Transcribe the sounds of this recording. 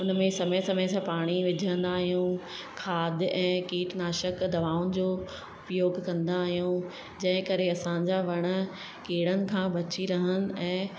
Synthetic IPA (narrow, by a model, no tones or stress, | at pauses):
ʊnmẽsɐməjsɐməjsãpaːɽ̃iʋɪd͡ʑʱə̃nd̪aːɦijũ | kʰaːd̪ʱɛ̃ːkiːʈnaːʃəkd̪ɐʋaːʊnɪ̆d͡ʑoː | ʊpjoːɡkɐ̃nd̪aːɦijũ | d͡ʑɐ̃ɦɪ̃kɐɾeɐsãɲd͡ʑaʋɐɽ̃ə̆ | keːɽənɪ̆kʰãːbɐt͡ɕiɾɐɦənɪ̆ɛ̃ː